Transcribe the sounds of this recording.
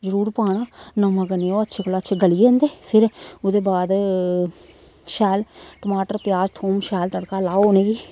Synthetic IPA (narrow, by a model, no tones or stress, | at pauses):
d͡ʒəɾuːɾpaːɽ̃aːnəməɡəneoətːʃʰeːkəlaətːʃʰeɡəlijẽnd̪eːpʰɪɾʊd̪eːbaːd̪ | ʃɛːlʈəmaːʈəɾpjaːd͡ʒt̪ʰoːmʃɛːlt̪əɽkalaːonẽːɡiː